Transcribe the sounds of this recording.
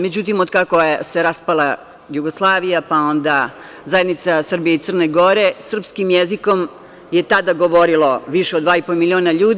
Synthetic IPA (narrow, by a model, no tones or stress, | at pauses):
med͡ʑut̪̬imod̪kakojese̞ɾaspala | juɡoslˠaːʋijapao̞nd̪a | zajed̪nit̪sasr̩bijeit̪sər̩ne̞ɡo̞ɾe̞sr̩pskimjeziko̞m | je̞t̪ad̪aɡo̞ʋo̞ɾiloʋiʃeod̪d̪ʋaːipomilio̞ːnaʎuːd̪